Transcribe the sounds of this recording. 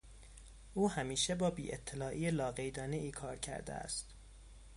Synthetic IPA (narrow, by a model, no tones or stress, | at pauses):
ʔuːhæmiːʃebɒːbḭːʔḛt̪ʰːelɒːʔiːjelɒːɣe̞jd̪ɒːneʔiːkʰɒːɾcʰæ̰ɾd̪ḛæ̰st̪